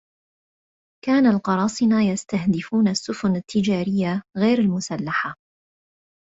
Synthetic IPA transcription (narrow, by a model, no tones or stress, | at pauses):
kaːnalqɑɾˤɑːsˤɪnaːjast̪ahd̪ɪfuːnasːʊfʊnat̪ʰːɪd͡ʒaːɾɪjːaɣajɾalmʊsalːaħa